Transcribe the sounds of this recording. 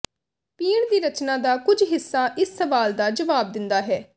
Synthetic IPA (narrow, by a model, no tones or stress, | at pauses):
piːɳd̪iːɾət͡ʃnãːd̪aːkʊd͡ʒɦɪsːaːʔɪsːəʋaːld̪aːd͡ʒəʋaːb̚d̪ɪnd̪aːɦɛː